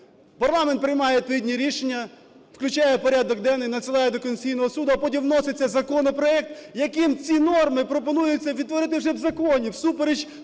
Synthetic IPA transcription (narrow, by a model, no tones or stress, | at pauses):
pɐrlˠɑment̪̚pɾɪjmɑjɛt̪id̪ʲnʲiɾʲiʃenʲːɐ | wklʲʉt͡ʃɑjɛpɔɾʲad̪ɔkd̪ɛnɪnɐsɪlˠɑjɛd̪ɔkɔnʲt͡sʲijnɔɦɔsud̪ʊɐpɔtʲimnɔsɪt͡sʲːɐzɐkɔnɔpɾɔɛk̚t̪jɐkɪmt͡sʲinɔrmɪpɾɔpɔnujʊt͡sʲːɐʋʲid̪t̪ːʋɔɾɪt̪ɪwʒɛwzɐkɔnʲiwsupeɾed͡ʒʲ